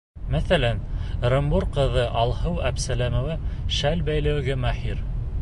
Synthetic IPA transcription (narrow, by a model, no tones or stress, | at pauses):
mæθælænɾɤ̆mbuɾqɤ̆ðɤʔɑlˠhɤwæpsælæmŏvæʃælbæjlɘ̆wɘɡɘmæħiɾ